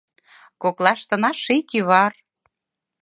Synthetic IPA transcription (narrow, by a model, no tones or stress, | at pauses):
koklɑʃt̪ə̆nɑʃikiβɑr